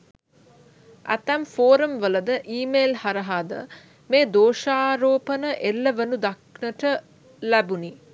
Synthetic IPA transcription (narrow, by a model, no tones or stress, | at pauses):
æ̰t̪æmfoːɾəmʋələd̪əʔiːmeːlhaɾəɦad̪ə̰ | meːd̪oːʃaːɾoːpənəʔelːəʋənud̪aknəʈə | læbuni